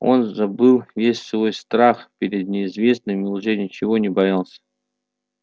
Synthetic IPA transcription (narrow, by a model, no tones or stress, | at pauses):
o̞̰nzɐbɨlˠvʲesʲsvo̞jst̪ɾaxpʲɪɾʲɪd̪̚nʲɪːzvʲe̞snɨmʲɪʊʐɛnʲɪt͡ɕɪvo̞nʲɪbɐjalˠsʲə̥